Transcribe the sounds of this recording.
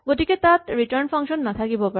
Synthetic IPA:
ɡoʈiket̪at̪ɾiʈəɾnpʰaŋʃɔnːat̪ʰakibopa

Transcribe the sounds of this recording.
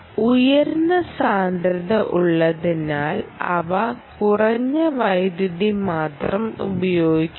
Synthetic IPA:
ujɐɾnːɐsaːnd̪ɾɐðɐʔuɭːɐðinaːlɐ̰ʋɐkurɐɲːɐʋɐjd̪juðimaːt̪rɐmṵbɐjo̞ːɡikʲː

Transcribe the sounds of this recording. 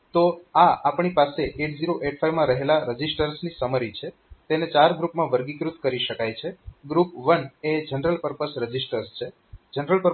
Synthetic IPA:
t̪oaapɳipaseʔeʈziɾoʔeʈfʰajmãɾəɦelaɾəd͡ʒisʈəɾsnisəməɾit͡ʃʰe | t̪enet͡ʃaɾɡɾupmãʋəɾɡikɾut̪kəɾiʃəkajt͡ʃʰeɡɾupʋəned͡ʒənɾəlpəɾpəsɾəd͡ʒisʈəɾst͡ʃʰe | d͡ʒənɾəlpəɾ

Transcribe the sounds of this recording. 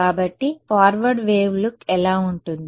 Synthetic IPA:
aːbɐʈːipaːɾʋɐɖʋeːʋlukɛlaːuɳʈund̪i

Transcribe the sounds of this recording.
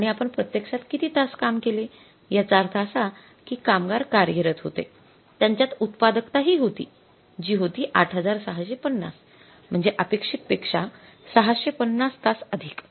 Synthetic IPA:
aɽ̃iapəɳpɾət̪jəkʂat̪kit̪ʰiːt̪askamkele | jat͡saɾt̪ʰasa | kiːkamɡaɾkaɾjəɾət̪ɦo̰t̪ḛ | t̪jaɲt͡ɕjat̪ut̪pad̪əkt̪aɦiːɦot̪ḭː | d͡ʑiːɦot̪iːʔaʈʰɦəd͡zaɾsəɦaɕepənːa̰s | m̤əɳd͡zeʔəpekʂit̪̚pekʂa | səɦaɕepənːast̪asəd̪ʱiːk

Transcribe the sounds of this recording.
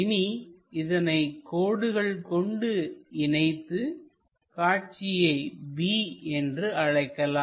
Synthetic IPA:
ɪniɪðɐnɐɪkːoːɽɯɣɐɭkɔɳɖɯɪnɐɪt̪ːɯ | kaːʈ̚t͡ʃɪjɐɪbiːɛndrɯɐɻɐɪkːɐlaː

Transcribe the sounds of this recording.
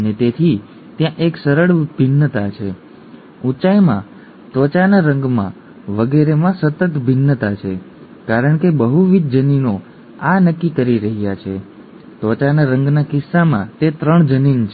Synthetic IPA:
ənet̪et̪ʰi | t̪jãʔeksəɾəɽbʱɪnːət̪at͡ʃʰe | ut͡ʃajmã̰ | t̪ʋət͡ʃanaɾə̃ŋɡmã̰ | ʋəɡeɾemãsət̪ət̪bʱɪnːət̪at͡ʃʰe | kaɾəɳ̃kebəɦuʋid̪d͡ʒənino | anəkːikəɾiɾəɦjat͡ʃʰe | t̪ʋət͡ʃanaɾəŋɡnakɪsːamã̰t̪et̪ɾəɳd͡ʒənint͡ʃʰ

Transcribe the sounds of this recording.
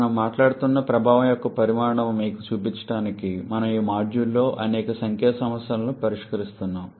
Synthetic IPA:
ɐnɐmːaːʈlaːɽut̪unːɐpɾɐbʱaːʋɐmjɔkːɐpɐɾimaːɾɐɳɐmmiːkut͡ʃuːpiɲt͡ʃɐ̥ʈaːnikimɐnɐmiːmaːd͡ʒjulːo̞ːʔɐnɛːkɐsɐŋkʰjɛːɐsɐmɐsjɐlɐnupɐɾiʂkɐɾist̪unːaːm

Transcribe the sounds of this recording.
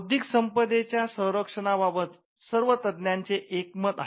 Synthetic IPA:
d̪ʱiksəmpəd̪et͡ɕjasə̃w̃ɾəkʂəɳababət̪ | səɾʋət̪əd̪njaɲt͡seʔekmət̪a̰ɦ

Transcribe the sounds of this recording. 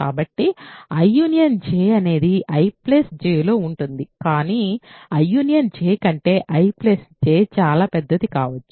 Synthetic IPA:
aːbɐʈːiɐjːuːnijɐnd͡ʒeːɐne̞ːd̪iʔɐjplesd͡ʒeːlo̞ːuɳʈund̪ikaːniːɐjːuːnijɐnt͡ʃeːkɐɳʈe̞ːʔɐjplesd͡ʒeːt͡ʃaːlaːpɛd̪ːɐt̪ikaːʋɐt͡ʃːu̥

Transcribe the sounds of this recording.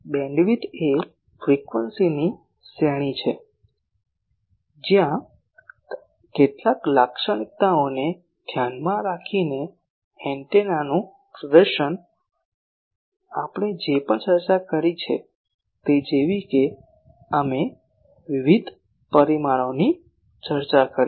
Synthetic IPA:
bɛ̃ɳɖʋit̪e | fɾikʋənsini | seɽ̃it͡ʃʰe | d͡ʒjã | keʈlaklakʃəɽ̃ik̚t̪aone | d̪ʱjanmãɾakʰine | ɛɳʈenanũ | pɾəd̪əɾʃən | apɽ̃ed͡ʒepəɳt͡ʃəɾt͡ʃakəɾit͡ʃʰḛ | t̪ed͡ʒeʋike | əme | ʋiʋid̪ʱ | pəɾimaɭoni | t͡ʃəɾt͡ʃakəɾi

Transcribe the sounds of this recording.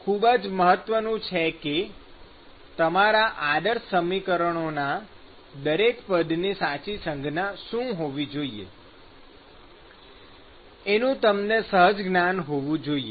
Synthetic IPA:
kʰubəd͡ʒməɦət̪ʋənũt͡ʃʰeke | t̪əmaɾaʔad̪əɾsəmikəɾəɳona | d̪əɾekpəd̪nisat͡ʃisə̃ŋɡnaʃũɦoʋid͡ʒoiḛ | enũt̪əmnesəɦəd͡ʒɡnanɦoʋũd͡ʒoie

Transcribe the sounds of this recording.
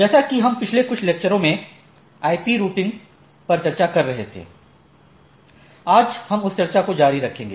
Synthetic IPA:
d͡ʒɛːsakiɦɐmpɪt͡ʃʰlekʊt͡ʃʰleːk̚t͡ʃəɾõmẽ | aːipiɾuːʈɪ̃ŋɡ | pɐɾt͡ʃɐɾt͡ʃakɐɾːɐɦet̪ʰḛː | aːd͡ʒhɐmʊst͡ʃɐɾt͡ʃakod͡ʒaːɾiɾɐkʰẽːŋɡeː

